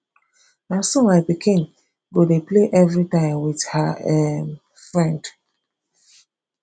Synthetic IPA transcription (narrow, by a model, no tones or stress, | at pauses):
nasomaɪpikʰĩn | ɡodepleʔɛvɹitãɪ̃mwithaɛ | fɹɛ̃nd